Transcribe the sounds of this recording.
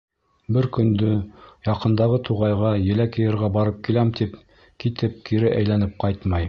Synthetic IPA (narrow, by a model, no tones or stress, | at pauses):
bɘɾkɵ̆nd̪ɵjɑqɤ̆nd̪ɑʁɤt̪ʰuʁɑjʁɑjɘ̆lækɘ̆jɘ̆ɾʁæbɑɾɤp̚kilæmt̪ip | kit̪ɘp̚kiɾɘʔæjlænɘp̚qɑjt̪mɑj